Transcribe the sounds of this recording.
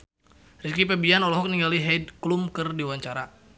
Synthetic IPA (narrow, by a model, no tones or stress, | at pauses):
rikipɛbianɔlɔɦɔk̚niŋɡaliɦɛd̚klumkərdiwaɲt͡ʃaɾa